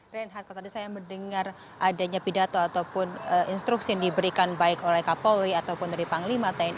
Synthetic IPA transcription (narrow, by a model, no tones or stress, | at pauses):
rɛnɦat̪̚kat̪adisajaməndəŋar | ʔadaɲapidat̪oat̪awpʊnəinst̪ɾuk̚sijaŋdibəɾikanbaɪkolɛhkapoliat̪awpʊndaɾipaŋlimat̪an